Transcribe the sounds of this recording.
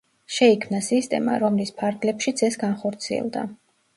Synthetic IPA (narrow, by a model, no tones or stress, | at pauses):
ʃɛikʰmnasist̪ʼɛ̰ma̰ɾɔmlispʰaɾɡlɛpʃid̪zɛsɡanχɔɾt̪sʰiɛ̰lˠd̪a̰